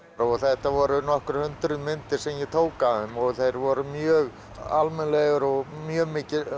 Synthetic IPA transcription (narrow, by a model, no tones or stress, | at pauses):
ɾɔɣθɛht̪avɔɾʏnɔhkʏɾ̥hʏnt̪ɾʏðmɪnt̪ɪɾ̥sɛmjɛt̪ʰoːwkaʏmɔɣθejɾvɔɾʏmjœːɣ | almɛnlɛɣʏɾɔɣmjœːmɪːcɪ